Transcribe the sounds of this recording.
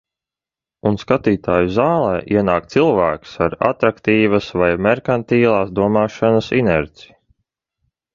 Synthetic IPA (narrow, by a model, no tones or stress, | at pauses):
unskat̪iːt̪aːjuzaːlˠɛːʔiɛnaːkt̪silˠvæːksaɾa̰t̪ɾakt̪iːvasvajmɛɾkant̪iːlˠɑːsd̪uɔmaːʃanəsinɛɾt̪si̥